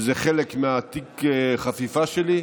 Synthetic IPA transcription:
zeχelekmeat̪ikχafifaʃeli

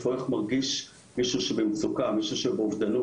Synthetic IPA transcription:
foeχmaʁɡiʃ | miʃuʃebemt͡sukamiʃuʃebeovd̪anu

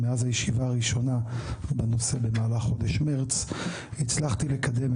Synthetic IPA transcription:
meazhajeʃivaːʁiʃo̞nabano̞se̞bemaːlaχːo̞deʃmeʁt͡s | it͡slaχt̪ile̞kad̪e̞m

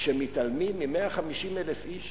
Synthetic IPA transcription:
ʃemit̪almidmimeaχamiʃimelefiʃ

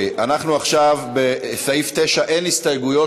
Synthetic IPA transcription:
ʔanaχnuaχʃavbesaift̪eʃaʔenist̪ajɡujo̞

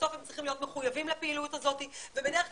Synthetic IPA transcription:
ofemt͡sʁiχimlijo̞t̪me̞χujavimlapeilutazo̞tivebedeʁeχ

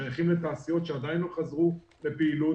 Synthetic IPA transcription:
ʁχimlet̪aːsijo̞t̪ʃead̪ajinloχazʁu | le̞piːlu

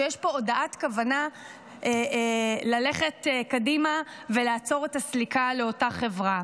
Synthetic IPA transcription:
ejeʃpo̞odaʔatkavana | ʔelale̞χetkadimave̞laːt͡so̞ʁetaslikaleo̞taχe̞vʁa

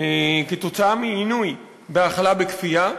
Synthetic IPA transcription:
eket̪o̞t͡saamiːnuj | beaχalabekfia

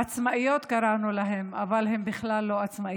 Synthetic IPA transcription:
at͡smaijot̪kaɾanulaɦema̰valɦe̞mbɪχlalːo̞at͡sma

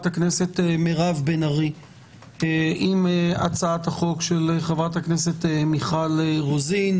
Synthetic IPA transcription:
thaknese̞temeʁavbenaʁi | eimea̰t͡saathaχo̞kʃeleχevʁathaknese̞temiχaleʁozin

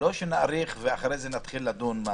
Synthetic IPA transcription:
o̞ʃenaaɾiχveaχaɾejzenat̪χilːad̪unma

